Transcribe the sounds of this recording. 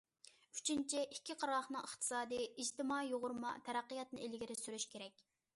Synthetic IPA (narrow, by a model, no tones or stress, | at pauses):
y̥t͡ʃʰint͡ʃʰiʔikʲʰːiqʰɑɾɑlˠχnɨŋəχt̪ʰɨ̥sɑːd̪ɨjid͡ʒt̪ɪmɑijoʁʊɾmɑ̰t̪ʰɛɾæqːəjɑt̪nɨ̰elɪɡʲiɾɪsyɾyʃkʲʰeɾɛkʲ